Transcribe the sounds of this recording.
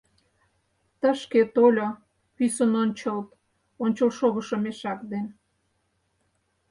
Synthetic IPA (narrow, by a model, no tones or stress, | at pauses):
t̪ə̆ʃket̪olʲo | pysənonʲt͡ɕəlt̪ | onʲt͡ɕəlʃoɣə̆ʃəmeʃɑkd̪en